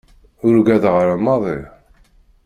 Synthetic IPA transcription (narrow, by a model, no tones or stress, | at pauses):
ʊɾɡæðʁəɾamːɑðˤɪ